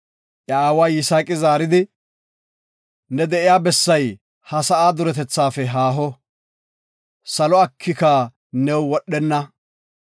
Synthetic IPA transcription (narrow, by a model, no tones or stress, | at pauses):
ʔɐaːwaːjɪsaːkʼɪzaːɾɪd̪ɪ | nɛd̪ɛʔɪjaːbɛsːɐj | hɐsɐʔaːd̪ʊɾɛt̪ɛt͡sːaːfɛɦaːɦɔ | sɐlɔɐkʰːɪkɐ | nɛwwɔɗːɛnːɐ